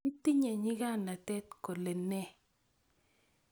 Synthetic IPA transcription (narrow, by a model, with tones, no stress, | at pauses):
ti˦ɲɛ˨ɲɪ˦ɡa˦˨na˨tɛ˦tko˨le˨nɛ˦˨